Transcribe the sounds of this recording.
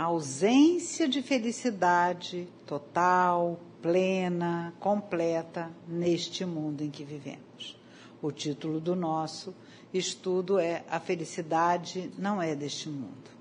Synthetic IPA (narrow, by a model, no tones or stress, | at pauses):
ɐawzẽsijɐd͡ʒɪfelisid̪ad͡ʒɪt̪ot̪awplẽnɐkõplɛt̪ɐneʃt͡ʃɪmũnd̪ʊẽkɪvivḛ̃mʊs | ʊt͡ʃit̪ulʊd̪ʊnɔsʊ | ɪʃt̪ud̪ʊɛʔɐfelisid̪ad͡ʒɪnɐ̃w̃ɛd̪eʃt͡ʃɪmṵ̃nd̪ʊ